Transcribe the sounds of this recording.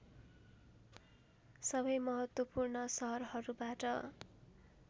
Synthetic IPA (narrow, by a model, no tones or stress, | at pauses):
sʌbʌjmʌɦʌt̪wʌpurnʌsʌɦʌrɦʌɾubaʈʌ